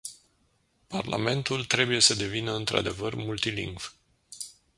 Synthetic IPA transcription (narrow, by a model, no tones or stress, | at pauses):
parlʔa̰me̞nt̪ult̪ɾe̞buje̞səd̪e̞vinəɨnt̪ɾʔa̰d̪e̞vərmult̪ilḭŋɡv